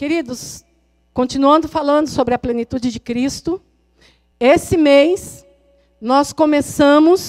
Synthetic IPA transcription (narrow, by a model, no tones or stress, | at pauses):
keɾid̪ʊs | kõnt͡ʃĩnuɐ̃nd̪ʊfalɐ̃nd̪ʊsobɾɪɐplẽnit̪ud͡ʒɪd͡ʒɪkɾist̪ʊ | esɪmejs | nɔskõmesɐ̃mʊs